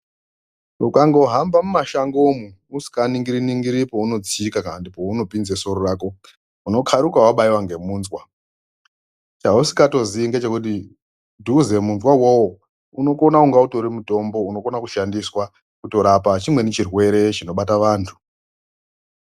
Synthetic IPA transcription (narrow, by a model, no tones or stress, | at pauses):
ukaŋɡo̞ɦambamumaʃaŋɡo̞mu | usi̥kaniŋɡiɾiniŋɡiɾipouno̞d͡ziikakaandipo̞uno̞pinzeso̞ɾoraːko̞ | uno̞kʰaɾukawaɓaiwaŋɡe̞munzwa | t͡ʃausi̥kato̞ziŋɡet͡ʃe̞kut̬i | dʱuze̞munzwawowo | uno̞ko̞nauŋɡauto̞ɾimuto̞mbo̞uno̞ko̞nakuʃandiswa | kuto̞ɾapat͡ʃimwe̞net͡ʃirwe̞ɾe̞t͡ʃino̞ɓataʋaːntʰu̥